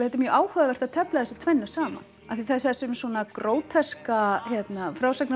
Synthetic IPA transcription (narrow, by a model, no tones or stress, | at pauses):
ɪθɛt̪ɪɾmjœːʔaːwhœːðavɛr̥t̪aðt̪ʰɛplaðɛsɪt̪ʰvɛjnːʏsaːma̰naθiθɛssʏmsuɔnakɾoːwt̪ʰɛskaçjɛt̪nafɾaːwsakn